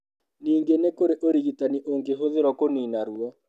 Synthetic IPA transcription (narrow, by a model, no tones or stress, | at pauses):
niːŋɡenekoɾeʔoɾiɣitaniʔoŋɡeɦoðeɾɔkoninaɾua